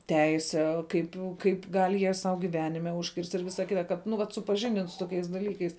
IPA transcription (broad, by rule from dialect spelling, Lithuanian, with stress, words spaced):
ˈtʲɛɪsʲɛ ˈkɐɪp kɐɪp ˈɡɐlʲ jiɛ sɐʊ ɡʲɪˈʋʲæːnʲɪmʲɛ ʊʃʲˈkʲɪrʲsʲtʲ ɪr ˈʋʲɪsɐ ˈkʲɪtɐ ˈkɐt nʊ ˈʋɐt sʊpɐˈʒʲɪnʲdʲɪn sʊ toːˈkʲɛɪs dɐˈlʲiːkɐɪs